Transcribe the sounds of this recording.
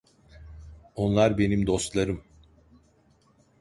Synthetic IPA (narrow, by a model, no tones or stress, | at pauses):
o̞nlˠaɾbe̞nimd̪o̞st̪lˠaɾɯm